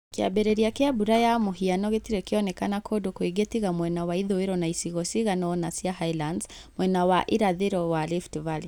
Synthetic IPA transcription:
kia̰bɛɾɛɾiakɛabuɾajamuɦianɔɣetiɾɛkiɔnɛkanakʰɔdɔkuiɡɛtiɣamwɛnawaiðɔiɾɔnaisiɣɔsiɣanɔnasiahailandz | mwɛnawaʔiɾaðɛɾɔwaliftvali

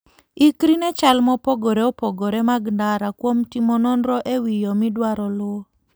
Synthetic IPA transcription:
ikɾinɛt͡ʃalmɔpoɡoɾeɔpoɡoɾɛmaɡndaɾakwomtimɔnɔnɾɔʔewijɔmɪdwaɾɔlwɔ

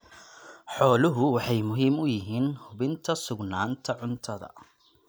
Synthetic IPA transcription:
ħɔːlʊɦʊwɑħɑjmʊɦiːmʊjɪɦiːnhʊbɪnt̪ʰɐsʊɡnaːnt̪ʰɐʕʊnt̪ʰɐðɐ̰

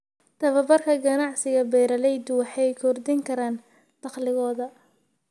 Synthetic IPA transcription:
t̪ʰɐβɐbɐrkʰɐɡɐnɑʕsɪɣɐbɛːɾɐlɛjd̪ʊwɑħɑjkʰɔrd̪ɪŋkʰɐɾaːn | d̪̥ɑχlɪɣɔːðɐ

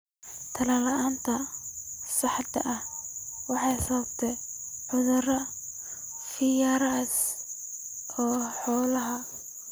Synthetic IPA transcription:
t̪ʰɐlɐlɐʔaːnt̪ʰɐ | sɑħd̪ɐ̰ʔɐhwɑħɑjsɐb̚t̪ʰɛ | ħʊðʊrɐ | fɪjaːɾɐs | ɔːħɔːlɐɦɐ

